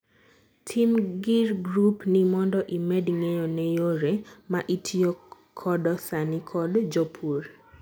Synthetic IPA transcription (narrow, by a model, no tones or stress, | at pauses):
tʰimɡirɡɾupnimɔndɔʔimɛdiŋejɔnɛjoɾemaʔitʰijo | kʰɔdɔsanikʰɔdd͡ʒɔpʰur